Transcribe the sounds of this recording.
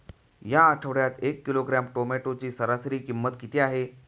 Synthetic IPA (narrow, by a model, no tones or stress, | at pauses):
jãːʈʰəʋɽjat̪ekːiloɡɾamʈomeʈot͡ɕiːsəɾasɾiːkimːət̪kit̪iaɦe